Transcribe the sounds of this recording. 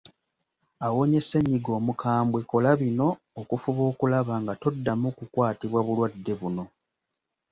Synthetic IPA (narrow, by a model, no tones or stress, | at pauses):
awo̞ɲe̞seɲːiɡo̞ːmukʰaːmbwe̞ko̞laβino̞ː | kufuβo̞ːkulaβaŋɡato̞dːamukukwaːtiβwaβulwadːe̞βuno̞